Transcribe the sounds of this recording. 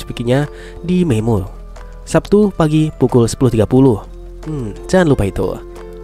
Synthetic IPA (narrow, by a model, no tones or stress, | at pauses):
pikiɲa | dimemʊl | sap̚t̪upaɡipukʊlsə̥pulʊht̪iɡapulʊh | m̩t͡ʃanlupait̪o̰